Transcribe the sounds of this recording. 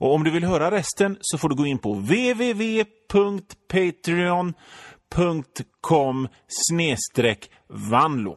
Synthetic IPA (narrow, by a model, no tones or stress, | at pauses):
ʔɔɔmd̪ɵvɪlɦœːɾaɾɛst̪ənsɔfoːɖɵɡoːɪnːpʰɔveːveːveːpʰɵŋkt̪pʰet̪ɾɪɔnpʰɵŋkt̪kʰɔm | sneːst̪ɾɛːk | vand̪lʊ̰